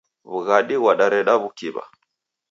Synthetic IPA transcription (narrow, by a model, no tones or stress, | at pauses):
βuɣaɗiwaɗaɾɛɗaβukiβa̰